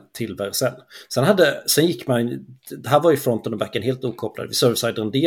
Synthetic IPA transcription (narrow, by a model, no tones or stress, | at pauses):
t̪ʰɪlvæɾsɛnːsɛnɦad̪ːəsɛnjɪkːmand̪ɛɦæːɾvaɾjʏfɾɔnt̪ənɔbækːənɦeːlt̪uːkʰɔpːla̰d̪əvɪsœɾvsajd̪əɾnd̪eː